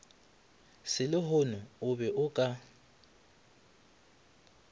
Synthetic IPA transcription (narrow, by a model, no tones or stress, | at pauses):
sɪlɪhʊnʊʊbɛʔʊkʼa